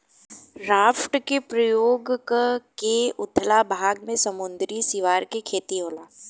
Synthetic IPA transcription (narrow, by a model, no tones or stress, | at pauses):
ɾaːfʈkepɾəjoːɡkkeʊt̪ʰlabʱaːɡmẽsɐmʊnd̪ɾisɪʋaːɾkekʰeːt̪iɦoːlaː